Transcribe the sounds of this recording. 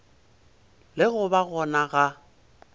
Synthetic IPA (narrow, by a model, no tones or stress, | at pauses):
lɪɣʊbaɣɔnaɣa